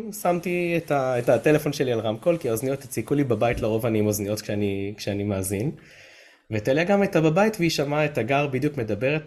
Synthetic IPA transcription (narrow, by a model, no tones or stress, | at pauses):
samtietaetate̞lefo̞nʃelialʁamko̞lkiaoznijo̞t̪et͡sikulibabaitleʁo̞vanimoznijo̞t̪kʃeanikʃeanimaːzin | vetaleaɡametababaitveiʃamaetaɡaʁbid̪jukme̞dabe̞ʁet